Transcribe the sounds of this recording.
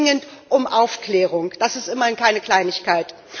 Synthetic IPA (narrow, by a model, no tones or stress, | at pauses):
ŋəntʔʊmʔaʊfklɛːʁ̞ʊŋd̥asɪstʔɪmɐɪnkaɪnəkl̥aɪnɪçkʰaɪt